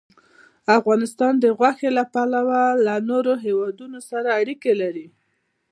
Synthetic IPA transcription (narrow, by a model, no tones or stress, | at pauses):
afɣɑnɪst̪ɑnd̪əɣwaxelapalawalanoɾoɦewɑd̪unosaɾaːɽikelaɾi